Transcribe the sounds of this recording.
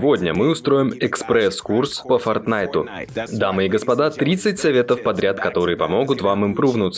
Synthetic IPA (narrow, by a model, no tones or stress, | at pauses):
vo̞dʲnʲəmɨʊst̪ɾo̞jɪmɛkspɾɛskurspəfɐrt̪najt̪ʊd̪amɨiɡəspɐd̪at̪ɾʲit̪sːɨt̚ʲsɐvʲe̞t̪əfpɐd̪ɾʲat̪kɐt̪o̞ɾɨjəpɐmo̞ɡʊt̪vamɨmpɾuvnʊt̪s